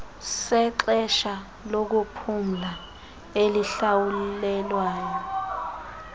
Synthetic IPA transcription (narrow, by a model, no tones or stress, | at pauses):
sɛǁɛʃa | lok̬upʰum̩la | eliɬawulɛlwaːjɔ